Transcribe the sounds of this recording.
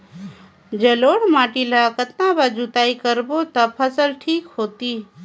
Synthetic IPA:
d͡ʒeloːɽ̤maːʈilakət̪̚nãbad͡ʒut̪aːikəɾbot̪ɐpʰəsəlʈʰiːkɦoːt̪iː

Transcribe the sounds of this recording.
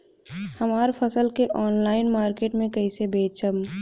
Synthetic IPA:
həmaːɾpʰəsəlkeʔɔːnlaːɪnmaːɾkeːʈmẽkəɪsebeːt͡ʃəm

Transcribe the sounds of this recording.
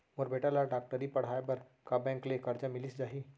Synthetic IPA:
moːɾbeʈalaɖaːk̚ʈəɾipɐɽ̤ɦaebɐɾ | kabɛ̃ːŋklekɐɾd͡ʒamɪlisd͡ʒaːɦiː

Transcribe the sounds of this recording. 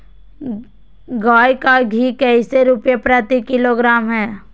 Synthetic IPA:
ɡaːjkaɡʱikɛɪseɾʊpjepɾat̪ikɪloɡɾaːmɦɛː

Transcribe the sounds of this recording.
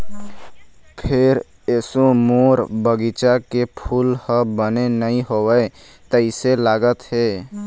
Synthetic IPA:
pʰeɾ | esomoɾbəɡit͡ʃakepʰulhəbənenəĩɦowəe | t̪ɪselaːɡət̪ɦe

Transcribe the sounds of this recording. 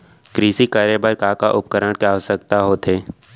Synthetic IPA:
kɾiːsikaːɾebəɾkaːkaʔʊp̚kəɾəɽ̃keaːʋəsək̚t̪aɦoːt̪ʰɦeː

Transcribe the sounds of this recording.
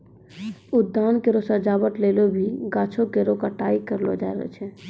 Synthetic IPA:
ʊd̪ːaːnkeɾosəɾd͡ʒaːbəʈ̪leːlobʱiɡaːt͡ʃʰokeɾokaʈaːikəɾlo̰d͡ʒaeɾə̰t͡ʃʰɛ

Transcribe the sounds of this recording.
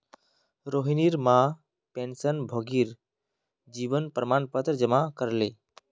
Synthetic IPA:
ɾoɦiniɾma | pensənbʱəɡiɾ | d͡ʒibənpɾəmanpət̪ɾd͡ʒəmakəɾle

